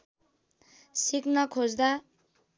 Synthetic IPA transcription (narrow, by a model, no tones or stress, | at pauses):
siknʌkʰod͡zd̪a